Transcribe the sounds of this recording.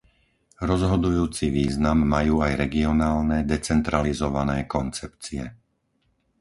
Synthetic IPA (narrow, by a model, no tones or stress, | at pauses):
ɾɔzɦɔd̪ujuːt͡siʋiːznamːajuːajɾɛɡiɔnaːlnɛd̪ɛt͡sɛnt̪ɾalizɔʋanɛːkɔnt͡sɛpt͡siɛ̰